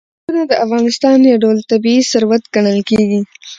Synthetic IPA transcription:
unad̪əʔafɣɑnɪst̪ɑnjaɖowlt̪abiisaɾwat̪ɡaɳəlkeɡi

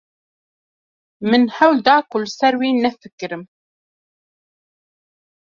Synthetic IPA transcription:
mɨnhɛwld̪ɑːkulsɛɾwiːnɛfɨkɨɾɨm

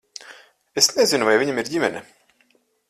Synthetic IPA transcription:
esnɛzinuvajviɲamiɾɟʲimʲɛnʲɛ

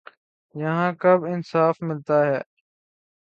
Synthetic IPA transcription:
jəɦãːkəbɪnsaːfmɪlt̪aːɦɛː

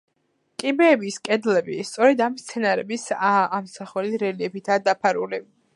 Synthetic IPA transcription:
kʼibɛːbiskʼɛd̪lɛbist̪sʼɔɾɛd̪amːst̪sʰɛnaɾɛbisaːmsaχɛliɾɛliɛpʰit̪ʰad̪apʰaɾṵli

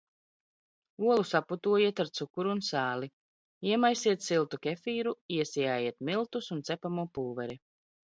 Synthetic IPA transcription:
uɔlˠusaput̪uɔjiɛt̪aɾt̪sukuɾuːnsaːli | iɛmajsiɛt̪silˠt̪ukʲefiːɾuiɛsijaːjiɛt̪milˠt̪usunt̪sɛpamuːpuːvɛɾi

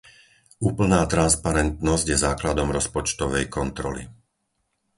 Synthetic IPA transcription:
uːpl̩naːt̪ɾanspaɾɛnt̪nɔzɟjɛzaːklad̪ɔmɾɔspɔt͡ʃt̪ɔʋɛjkɔnt̪ɾɔ̰lḭ

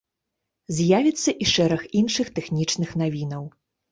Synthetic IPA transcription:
zʲjavʲit̪sːɐʔiʂɛɾɐxinʂɨxt̪ɛxnʲit͡ʂnɨxnavʲinɐw

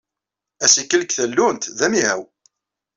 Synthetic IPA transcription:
æsikːəlkθəlːʊnt̪ðæmiɦæw

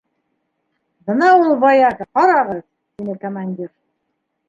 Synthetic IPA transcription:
bɤ̆nɑulˠbɑjɑkqɑɾɑʁɤz | t̪inɘkomanʲdʲiɾ

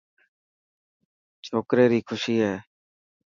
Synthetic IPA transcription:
t͡ʃʰoːkɾeːɾiːkʰʊʃiːɦɛː

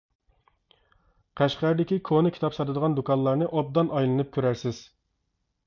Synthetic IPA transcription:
qʰæʃqæɾd̪ɪkʲikʰonɨkʲʰi̥t̪ʰɑpsɑt̪ɨd̪əʁɑnd̪ukɑnlˠɑɾnɨʔɑb̚d̪ɑnʔɑjlˠɨnɨp̚kʲʰøɾæɾsɪz̥

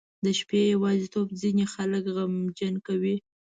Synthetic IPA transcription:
d̪əʃpejawɑzit̪obzinexaləkɣamd͡ʒankawi

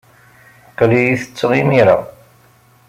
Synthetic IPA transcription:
qlijiθə̥t͡sːʁimiɾa̰

